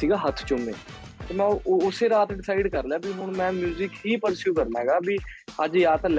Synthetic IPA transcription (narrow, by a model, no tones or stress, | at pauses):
iːɡaːɦət̪ʰt͡ʃʊmḛː | t̪eːmɛ̃ːʊseːɾaːt̪ɖɪsaːɪɖkəɾleaːbiːɦʊɳmɛ̃ːmjuːzɪkɦiːpəɾsjuːkəɾnaːɦɛːɡaːbiəd͡ʒjaːt̪l